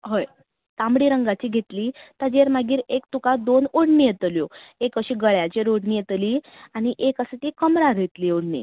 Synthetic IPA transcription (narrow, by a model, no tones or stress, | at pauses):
ɦəj | t̪ãmɽiːɾəŋɡat͡ɕiːɡʱet̪liːt̪ad͡ʑeɾmaɡiːɾekt̪ukad̪onoɽnijet̪ljoekəɕiːɡəɭjat͡ɕeɾoɽnijet̪liː | añiʔekəsət̪ikəmɾaɾet̪liːoɽ̤nḭ